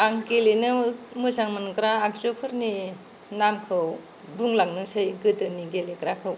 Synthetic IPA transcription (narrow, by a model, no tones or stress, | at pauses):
aŋkelenɯmɯsaŋmɯnkɾaːk̚t͡ʃopʰɯɾni | namkʰɯw | buŋlaŋnɯŋsɯjɡɯtɯniɡelekɾakʰɯw